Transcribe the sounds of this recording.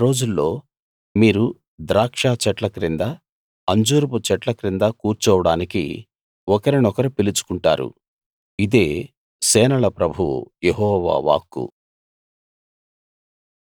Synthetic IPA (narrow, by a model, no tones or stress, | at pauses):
ɾo̞ːd͡ʒulːo̞ː | miːɾu | d̪ɾaːkʂaːt͡ʃɛʈlɐkɾind̪ɐ | ɐɲd͡ʒuːɾput͡ʃɛʈlɐkɾind̪ɐkuːɾt͡ʃɔːʋɐɽaːnikḭ | ɔkɐɾinɔkɐɾipilit͡ʃu̥kuɳʈa̰ːɾṵ | id̪e̞ː | sɛːnɐlɐpɾɐbʱṵjeɦɔːʋa̰ːʋa̰ːkːṵ